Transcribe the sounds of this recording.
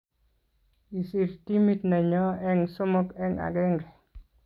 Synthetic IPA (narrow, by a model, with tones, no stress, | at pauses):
i˨si˨ɾti˦mi˦tnɛ˨ɲɔ˦ɛ˦ŋsʊ˦mo˦kɛ˦ŋa̰˨ɡɛ˦ŋɾɛ˨